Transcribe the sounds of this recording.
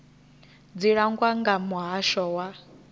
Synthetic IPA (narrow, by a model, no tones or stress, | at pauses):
d͡ziɺaŋɡwaŋɡamuɦaʃɔwa